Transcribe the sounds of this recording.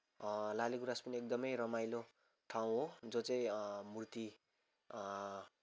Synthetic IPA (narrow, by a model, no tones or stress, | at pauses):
lalikuɾaspʌniek̚d̪ʌmʌjrʌmajlo | ʈʰaw̃ɦod͡zot͡saĩmurt̪i